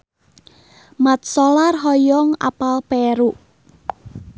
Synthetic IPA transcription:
mat̪̚sɔlarɦɔjɔŋa̰palpɛɾu

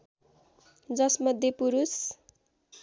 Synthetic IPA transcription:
d͡zʌsmʌd̪ʱjepuɾus

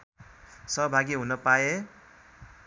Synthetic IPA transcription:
sʌɦʌbʱaɡiɦunʌpae

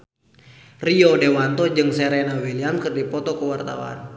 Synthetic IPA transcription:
riɔdɛwant̪ɔd͡ʒɨŋsɛɾɛnawiliamkɨrdipɔt̪ɔkəwart̪a̰wa̰n

